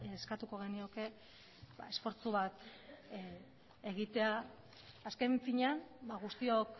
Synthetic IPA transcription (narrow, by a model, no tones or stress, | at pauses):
skat̪uko̞ɣ̞e̞nio̞ke̞ | ba̰e̞sfo̞ɾt͡suβat̪ | eɣit̪e̞aː | ske̞ɱfiɲanbaɣ̞ust̪io̞k